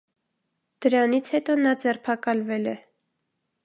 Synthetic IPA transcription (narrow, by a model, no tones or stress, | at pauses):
d̪̥əɾɑnit͡sʰhɛt̪ɔnɑd͡zɛrpʰɑkɑlvɛlɛ